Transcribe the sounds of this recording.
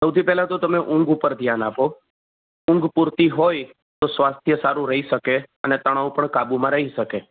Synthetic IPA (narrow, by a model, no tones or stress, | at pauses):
səwt̪ʰipɛɦlãt̪ot̪əmeʔʊ̃ŋɡupəɾd̪ʱjanapo | ʊ̃ŋɡpuɾt̪iɦoj | t̪osʋast̪ʰjəsaɾũɾəɦiʃəkeənet̪əɽ̃aũpəɳkabumãɾəɦiʃəke